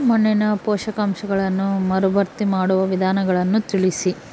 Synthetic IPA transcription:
mɔnːinɐpɔːʃɐkɐmʃɐɡɐɭɐnːumɐɾubɐɾt̪imaːɽuʋɐʋid̪ʱaːnɐɡɐɭɐnːut̪iɭisi

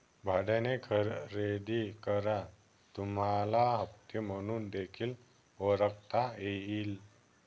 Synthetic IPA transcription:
bʱaɽẽnekʰəɾɾed̪ikəɾa | t̪umalaɦəp̚t̪jəm̤əɽ̃uːnd̪ekʰiːl | ʋəɾəkt̪aeiːl

